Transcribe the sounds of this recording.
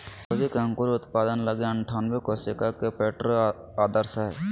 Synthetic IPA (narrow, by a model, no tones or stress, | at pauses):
kod͡ʒikaŋkuɾiʊt̪paːd̪ənləɡeə̃ɳʈʰaːnʋekosɪkakepeːʈɾ | aːd̪əɾsaɦɛ